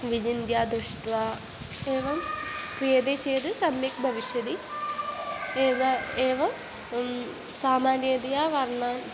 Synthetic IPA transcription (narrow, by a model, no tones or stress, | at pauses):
ʋid͡ʑind̪jaːd̪uʂʈʋa | eːʋɐmprijɐd̪et͡ɕeːd̪ɨsɐmjikbʱɐʋiʂjɐd̪i | eːʋɐeːʋɐm | saːmaːɾed̪ijaːʋɐrɳaːn